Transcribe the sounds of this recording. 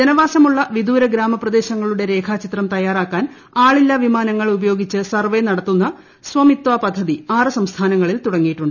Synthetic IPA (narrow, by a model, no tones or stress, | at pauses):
d͡ʑɐnɐʋaːsɐmuɭːɐʋid̪uːɾɐɡɾaːmɐprɐd̪e̞ːɕɐŋːɐɭuɽe̞ɾe̞ːkʰaːt͡ɕit̪rɐmt̪ɐjaːraːkːaːn | aːɭilːɐʋimaːnɐŋːɐɭubɐjo̞ːɡit͡ɕːɨsɐrʋenɐɽɐt̪ːunːɐ | sʋɐmit̪ʋapɐd̪ʱːɐðiaːrɨsɐmst̪ʰaːnɐŋːɐɭilt̪uɽɐŋːijiʈːuɳɖɨ